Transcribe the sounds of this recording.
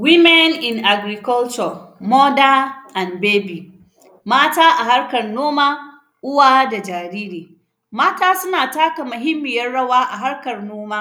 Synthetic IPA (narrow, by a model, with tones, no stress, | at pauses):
wi˦mɛ˦nɪ˨nʔa˨ɡɾi˨kɔ˦lt͡ʃɔ˨mɔ˦daː˦ʔa˨nbeː˦bi˨ | maː˦taː˦ʔa˨ɦa˦ɾkɐ˨rnoː˦maː˦ | ʔʊ˦waː˦da˨d͡ʒaː˨ɾiː˦ɾiː˨ | maː˦taː˦sʊ˦naː˨taː˦ka˨mʊ˨ɦɪ˦mːɪ˨jɐ˦ɽɐ˦waː˦ʔa˨ɦa˦ɽkɐ˨rnoː˦maː˦